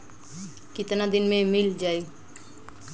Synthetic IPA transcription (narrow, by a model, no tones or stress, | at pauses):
kɪt̪nad̪inmẽmild͡ʒaːe